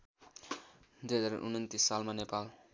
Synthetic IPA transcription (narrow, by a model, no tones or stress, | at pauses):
d̪uɦʌd͡zaɾ̰ʔṵnʌnt̪isːalmanepal